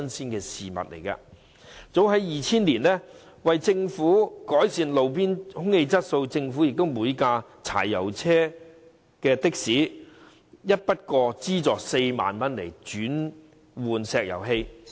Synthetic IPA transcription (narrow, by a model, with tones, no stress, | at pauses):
nsiː˥nkɛː˧siː˨˩mɐ̰˨t̚lḛ˨˩jka̰ː˧ | t͡so˨˥wɦɐ˨˥jjiː˨t͡sʰiː˥nliː˨˩nlɛ˥ | wɐ˨jt͡sɪ˧ŋfuː˨˥kɔː˨˥jsiː˧nlo˨˧wp̬iː˥nhʊ˥ŋhe˧jt͡sɐ˥t̚so˧wt͡sɪ˧ŋfuː˨˥jɪ˨k̚t̪ʊ˥wmuː˨˧jkaː˧t͡sʰa̰ː˨˩jːɐ̰˨˩wt͡sʰɛː˥ | kɛː˧t̪ɪ˥k̚siː˨˥ | jɐ˥t̚pɐ˥t̚kɔː˧t͡siː˥t͡sɔː˨˩k̚se˧jma̰ː˨nmɐ˥nle˨˩jt͡ʃyː˨˥n | wuː˨nsɛː˧k̚jɐ̰˨˩wɦe˧j